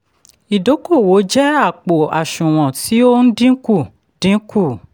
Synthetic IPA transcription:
i˨do˨˦ko˦˨wo˨˦d͡ʒɛ˦a˦˨k͡po˨a˨ʃũ˨w̃ɔ̃˨ti˨˦o˦n̩˦dĩ˦ku˦˨ | d̥ĩ˨˦ku˦˨

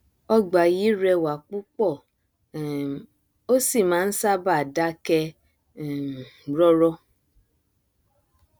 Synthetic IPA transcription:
ɔ˧ɡ͡ba˨ji˦ɾɛ˧wa˨k͡pu˦k͡pɔ˦˨ | o˦si˦˨mãː˨˦n̩˦sa˦ba˦˨da˦kɛ˧˨ | ɾɔ˦ɾɔ˧˦

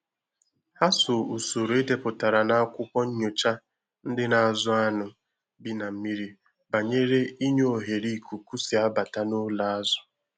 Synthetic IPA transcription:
ha˦sʊ˨u˨su˨ɾʊ˨e˦de˨pʊ˨ta˨ɾa˨na˦kʷʊ˦kʷɔ˦ɲ̩˦ɲo˨t͡ʃa˦ | n̩˦dɪ˦na˨a˨zʊ˦a˦nʊ˨ | bi˦na˨m̩˦mi˦ɾi˦ | ba˨ɲe˦ɾe˦i˦ɲo˦o˨ɦe˨ɾi˦˨ku˨ku˦si˨a˦ba˨ta˦no˦la˦a˦zʊ̥˦

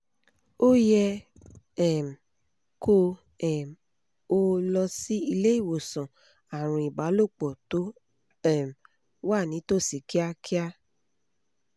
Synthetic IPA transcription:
o˦jɛ˧ | ɛ˨m˨ | kʰo˧ | ɛ˨ | o˧lɔ˧si˦i˧le˦i˦˨wo˨sɔ̃˨ | a˨ɾ̃ũ˧i˨ɡ͡ba˨˦lo˦˨k͡pɔ˨to˨˦ | ɛ˦˨m̩˨ | wa˦˨nĩ˨˦to˦˨si˨kʰi˦a˧kʰi˦a˦

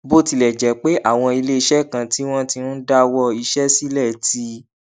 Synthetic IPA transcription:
bo˦ti˧lɛ˨d͡ʒɛ˨˦k͡pe˦ʔa˦˨w̃ɔ̃˧i˧le˦i˧ʃɛ˦kã˧ti˦w̃ɔ̃˦ti˧nũ˦da˦wɔ˧i˧ʃɛ˦si˦lɛ˦˨ti˧˦

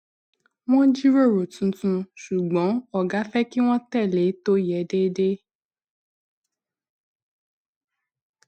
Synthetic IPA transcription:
w̃ɔ̃˦d͡ʒi˦ɾo˦˨ɾo˨tũ˨˧tũ˧ʃu˨ɡ͡bɔ̃˨˦ɔ˦˨ɡa˨˦fɛ˦ki˦w̃ɔ̃˦tɛ˦˨le˨˦to˦jɛ˨˦de˦de˦

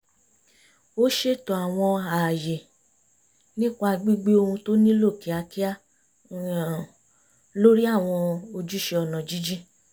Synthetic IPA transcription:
o˦ʃe˦˨tɔ˨a˨w̃ɔ̃˧a˨je˨ | nĩ˦k͡pa˦˧ɡ͡bi˦ɡ͡be˦o˧hũ˧to˦nĩ˦lo˦˨ki˨˦a˧ki˦a˦˨ | lo˦ɾi˦a˦˨w̃ɔ̃˧o˧d͡ʒu˦ʃe˧ɔ˧nã˨d͡ʒi˦d͡ʒi˦

